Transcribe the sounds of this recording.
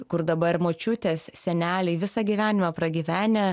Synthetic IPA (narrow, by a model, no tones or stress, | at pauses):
kʊɾd̪ɐbɐmoːt͡ʃʲʊt̪ʲeːssʲɛnʲæːlʲɛɪʋʲɪsɑɡʲiːʋʲæːnʲɪmɐpɾɐɡʲiːʋʲæːnʲɛ